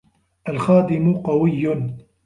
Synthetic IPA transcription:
ʔalxaːd̪ɪmʊqɑwɪjːʊn

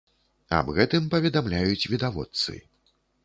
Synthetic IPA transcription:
ɐ̰bɣɛt̪ɨmpɐvʲɛd̪amlʲajut͡sʲvʲid̪avɔ̰t̪sɨ̰

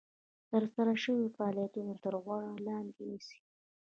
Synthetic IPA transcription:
t̪əɾsaɾaʃəwifaɑɑlijat̪unot̪əɾɣwaɽalɑnd̪enisi̥

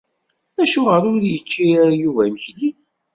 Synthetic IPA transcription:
æʃʊʁəɾʊɾjət͡ʃːijuvæməçli

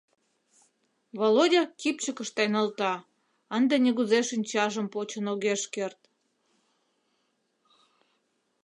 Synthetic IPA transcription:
βolodʲɑkipt͡ɕəkəʃt̪ɑjnɑlt̪ɑ | ənd̪enʲeɣuzeʃinʲt͡ɕɑʒə̆mpot͡ɕənoɣeʃkert̪

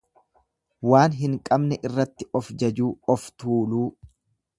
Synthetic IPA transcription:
waːnɦɪŋkʼɐbnɛʔɪrːɐt̪ːɪʔɔfd͡ʒɐd͡ʒuːɔft̪uːluː

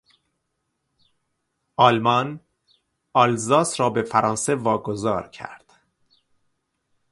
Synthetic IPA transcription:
ʔɒlmɒn | ɒlzɒːsɾɒːbe̞fæɾʔɒːnse̞vɒːɡozɒːɾcʰæ̰ɾd̪̥

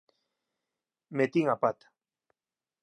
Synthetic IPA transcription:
met̪iŋapat̪ḁ

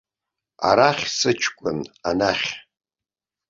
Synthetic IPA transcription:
a̰ɾaχʲsɨt͡ʃʰkʷʼʊnanaχʲ

